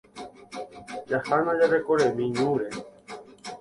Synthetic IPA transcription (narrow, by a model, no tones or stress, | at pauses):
d͡ʒahanãd͡ʒaɾekoɾemĩɲũɾe